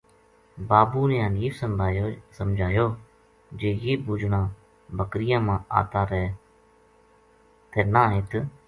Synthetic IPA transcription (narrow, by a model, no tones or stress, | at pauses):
baːbuːneãːniːʋsəsəmd͡ʒʱaːjoː | d͡ʒeːjeːbuːd͡ʒnãː | bəkɾɪjãːmãːa̰ːt̪aːɾɛː | t̪eːnaːɦeːt̪